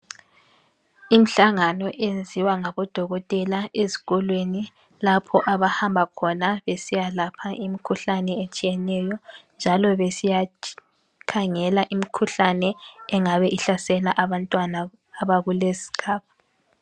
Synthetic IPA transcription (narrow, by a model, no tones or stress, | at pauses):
im̩ɬaŋanɔʔend͡zʱiwaŋaβɔd̥ʱɔɣɔtʼɛlaezi̥ɣɔlweni | lapʰɔʔaβahambʱakʰɔnaβesijalapʰaʔimikʰuɬanɛet͡ʃʼijɛnɛjɔnd͡ʒʱalɔβesija | kʰaŋɛlaʔimikʰuɬanɛɛŋaβɛʔiɬasɛlaʔaβantʼwanaː | βaɣulezi̥kʰaːp̚a